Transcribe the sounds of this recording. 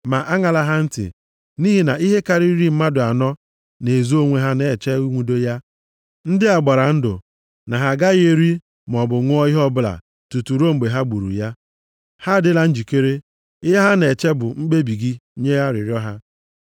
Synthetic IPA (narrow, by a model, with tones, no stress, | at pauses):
ma˨ʔa˦ŋa˨la˦ɦa˦n̩˦tɪ̰˨ | ni˦ɦi˨na˨i˦ɦe˦ka˨ɾi˦ɾi˦m̩˦ma˦dʊ˨a˨nɔ˦ | ne˨zu˦o˦ŋʷe˦ɦa˦ne˨t͡ʃe˦u˦ŋʷu˨do˦ja˦ | n̩˦dɪ˦a˨ɡ͡ba˨ɾa˨n̩˦dʊ̰˨ | na˨ɦa˨ɡa˦ɣe˦ɾi˦ | m˨ɔ˨bʊ˨ŋʷ˦ɔ˦i˦ɦɔ˦bʊ˦la̰˨ | tu˨tu˨ɾo˦ŋ͡m̩˨ɡ͡be˨ɦa˦ɡ͡bu˨ɾṵ˨ja˦ | ha˦dɪ˦la˨n̩˦d͡ʒi˨ke˦ɾe˦ | ɪ˦ɦa˦ɦa˦ne˨t͡ʃe˦bʊ˨ŋ͡m̩˦ɡ͡be˦bi˨ɡi˦ɲe˦ɣa˦ɾɪ̰˨ɾjɔ˦ɦa˦